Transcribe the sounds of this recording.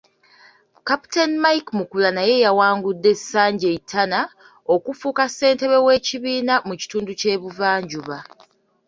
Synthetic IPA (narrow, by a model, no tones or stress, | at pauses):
kapi̥tenmajkmukulanaje̞jawaːŋɡudːe̞sːaːɲɟe̞itʰːana | o̞kufuːkase̞ːnte̞βe̞we̞ːciβiːnamuci̥tuːnduce̞ːβuvaːɲɟuβa